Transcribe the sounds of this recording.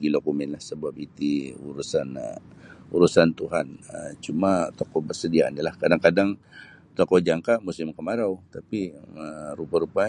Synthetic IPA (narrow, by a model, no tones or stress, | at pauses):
ɡidokumɛnlahsəbapit̪iuɾusanə̰uɾusant̪uɦanəmt͡ʃumat̪okɔbərsədianilahkadaŋkadaŋ | t̪okɔd͡ʒaŋkamusɪmkəmaɾawt̪apiəɾupaɾupa